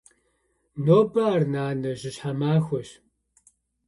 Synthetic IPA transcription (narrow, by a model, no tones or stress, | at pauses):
noːbɐarnaːnɐʑɪɕħamaːxʷɔɕ